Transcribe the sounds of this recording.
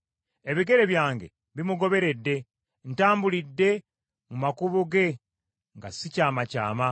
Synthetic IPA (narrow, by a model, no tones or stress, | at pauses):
e̞βiɡe̞ɾe̞βjaːŋɡe̞̰ | βimuɡo̞βe̞ɾe̞dːe̞ | ntaːmbulidːe̞ | mumakuβuɡe̞ | ŋɡa̰sicaːmaca̰ːma